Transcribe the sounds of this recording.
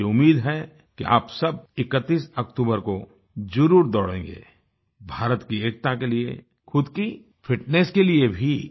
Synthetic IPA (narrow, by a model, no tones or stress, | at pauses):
eʊmːiːd̪ɦɛ | keʔa̰ːpsɐb̚ɪkət̪ːiːsɐkʈ̪uːbəɾko | zɐɾuːɾd̪ɔːɽḛ̃ːŋɡḛː | bʱaːɾət̪kieːk̚t̪akeliḛ | xʊd̪ki | fʰɪʈneːskeliebʱi